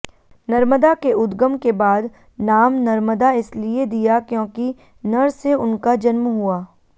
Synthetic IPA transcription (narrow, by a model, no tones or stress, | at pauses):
nɐɾməd̪akeʊd̪ɡəmkebaːd̪ | naːmnɐɾməd̪aɪslied̪ijakjõːki | nɐɾseʊnkad͡ʒɐnmɦuaː